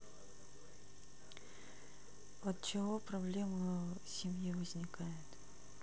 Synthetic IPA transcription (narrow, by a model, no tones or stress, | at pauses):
ət̪̚t͡ɕɪvopɾɐblʲe̞mə | sʲɪmʲjivəzʲnʲɪkajɪt̪